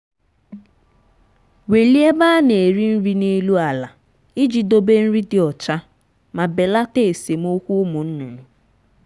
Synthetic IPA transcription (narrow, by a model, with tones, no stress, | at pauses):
we˨li˦e˦ba˦ne˨e˨ɾi˦n̩˦ɾi˦ne˦lu˦a˨la˨ | i˦d͡ʒi˨do˦be˦n̩˦ɾi˦dɪ˨ɔ˨t͡ʃa˦ | ma˨be˨la˦te˦˨se˨m̩˦o˦kʷu˦mu˨n̩˦nʊ˨nʊ˨